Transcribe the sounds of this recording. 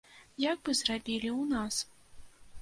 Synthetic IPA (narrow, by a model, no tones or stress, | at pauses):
jaɡ̚bɨzrabʲilʲiwnas